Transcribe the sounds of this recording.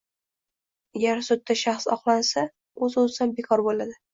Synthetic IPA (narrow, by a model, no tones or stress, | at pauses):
aɡʲaɾsʊd̪ːaʃaχsɒqlˠansa | ɵzɵzɪd̪anbe̞kʰɒɾbolad̪ɪ